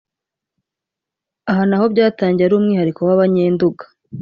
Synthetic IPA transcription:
aɦanaho̞βɟaːtaːɲɟiaɾuːmŋiːhaɾiko̞waβaɲeːnduɡḁ

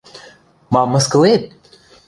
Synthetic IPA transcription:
mɑmːəsklet̪̚

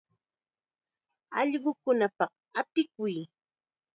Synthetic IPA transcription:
ɑʎɢʊkʊnapɑq | apɪkʊj

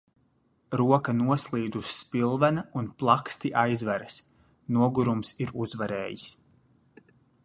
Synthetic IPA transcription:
ɾuɔkanuɔslˠiːd̪uʃːpilˠvɛnaunplˠakst̪iʔajzvɛɾɐs | nuɔɡuɾumsiɾuzvaɾḛːjis

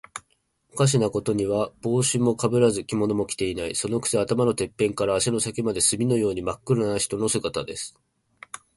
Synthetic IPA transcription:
okaɕ̬inako̞t̪o̞ɲ̟iβab̥o̞ːɕɨmo̞kabɯ̟ɾazɨkʲimo̞no̞mo̞kʲi̥t̪e̞inaḭso̞no̞kɯ̟̥siat̪amano̞t̪e̞pːẽ̞ŋkaɾaːɕino̞sakimad̪e̞sɨmʲino̞jo̞ːɲ̟imakːɯ̟ɾɯnaiçi̥t̪o̞no̞sɨɡat̪ad̪e̞sɨ̥

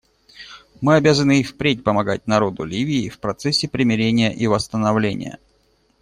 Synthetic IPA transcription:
mɨɐbʲazənɨifpɾʲet̚ʲpəmɐɡa̰t̚ʲnɐɾo̞d̪ʊlʲivʲɪːfpɾɐt̪sɛsʲːɪpɾʲɪmʲɪɾʲenʲɪjəʔivəst̪ənɐvlʲenʲɪ̰jə̰

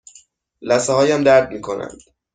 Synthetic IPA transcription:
læseɦɒːjæmd̪æɾd̪̚miːkʰonæ̰nd̪̥

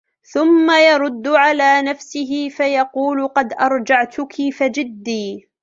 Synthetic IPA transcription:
θʊmːajɑɾˤʊd̪ːʊʕalaːnafsɪɦɪfajɑquːlqɑd̪ʔɑɾˤd͡ʒaʕt̪ʊkʰifad͡ʒɪd̪ːiː

